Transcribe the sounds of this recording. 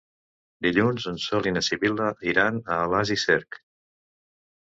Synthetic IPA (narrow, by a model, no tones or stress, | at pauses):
d̪iʎunzunsɔlinəsiβiləiɾanəːlazisɛɾk